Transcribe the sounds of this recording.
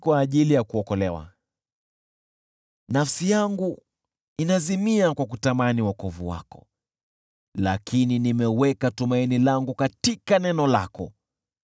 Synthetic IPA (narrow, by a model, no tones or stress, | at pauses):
kwaːʄilijakuɔkɔlɛwa̰ | nafsijaŋɡu | inazimiakwakutamaniwakɔvṵwa̰kɔ̥̰ | la̰kʰininimɛwɛkatumainilaŋɡukatikanɛnɔla̰kɔ̰